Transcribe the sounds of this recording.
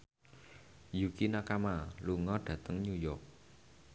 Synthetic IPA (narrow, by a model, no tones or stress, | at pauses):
jukinakamaluŋɔɖ̥ä̤t̪əŋɲujɔk̚